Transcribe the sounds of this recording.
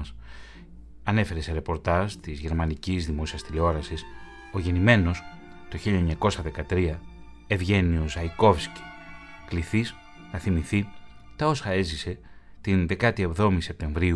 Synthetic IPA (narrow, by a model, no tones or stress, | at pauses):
s | ɐne̞fe̞ɾe̞se̞ɾe̞po̞ɾt̪ɐʒt̪izʝe̞ɾmɐnicizðimo̞siɐst̪ileo̞ɾɐsis | o̞ʝe̞nime̞no̞s | t̪o̞çiʎɐeɲɐko̞sɐðe̞kɐt̪ɾiɐ | e̞vʝe̞niosɐjko̞fsci̥ | kliθis | θɐθimiθi | t̪ɐo̞sɐe̞zise̞ | t̪inðe̞kɐt̪ie̞vðo̞mise̞p̚t̪e̞ɱvɾiu